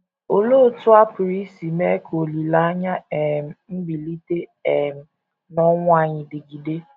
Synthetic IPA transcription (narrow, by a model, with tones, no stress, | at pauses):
o˨lo˦˨tʊ˦a˦pʊ˨ɾi˦si˨me˦kʰo˨li˨la˦ɲa˦e˨m̩˨m̩˦ɡ͡bi˨li˦te˦e˨m̩˨ | nɔ˦ŋʷa˦˨ɲɪ˨dɪ˨ɡi˨de˦